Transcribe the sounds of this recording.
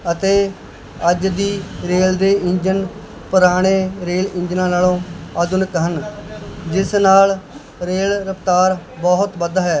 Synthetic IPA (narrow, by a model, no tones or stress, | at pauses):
ət̪eː | əd͡ʒd̪iːɾeːld̪eːɪɲd͡ʒən | pəɾaːɽ̃eːɾeːlɪ̃ɲd͡ʒnãːnaːlõːəːd̪ʊnkɦən | d͡ʒɪsnaːl | ɾeːlɾəpt̪aːɾbɔːɦʊt̪ʋəd̪aːɦɛː